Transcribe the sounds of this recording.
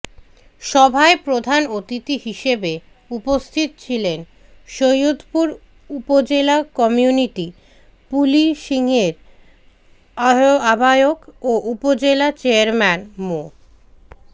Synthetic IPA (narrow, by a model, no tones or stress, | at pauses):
ʃɔbʱaepɾod̪ʱanot̪it̪iɦiʃebe | upost̪ʰit̪ot͡ɕʰilen | ʃojud̪ʱpuɾ | upod͡ʑelakɔmijuniʈi | puliʃiŋeɾ | aoabʱajokoʔupod͡ʑelat͡ɕeaɾmɛnmo